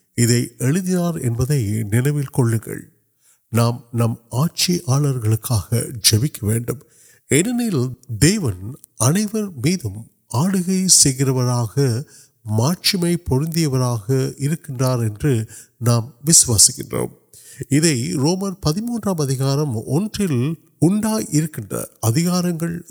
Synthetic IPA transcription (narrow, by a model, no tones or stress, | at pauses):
ɪðɐɪʔɛɻɯðɪnaːɾɛ̰nbɐðɐɪnɪnɐʋɪlkɔɭːɯŋɡɐ̰ɭ | naːmnɐmaːʈ̚t͡ʃiʔaːɭɐɾɣɐɭɯkːaːɣɐ̰d͡ʒɛʋɪkːɐʋeːɳɖɯm | ɛnːɐnɐld̪eːʋɐn | ɐnɐɪʋɐɾmiːðɯm | aːɽɯɣɐɪsɛjɣɪrɐʋɐɾaːɣɐ | maːt͡ʃɪmɐɪpɔɾɯnd̪ɪjɐʋɐɾaːɣɐɪɾɯkːɪndraːɾɛndrɯnaːmʋɪsɯʋaːsɪkːɪ̰ndro̰ːm | ɪðɐɪɾoːmɐɾpɐðɪmuːndraːmɐðɪɣaːɾɐmɔndrɪl | ʊɳɖaːɪɾɯkːɪndrɐ̰ɐðɪɣaːɾɐŋɡɐɭ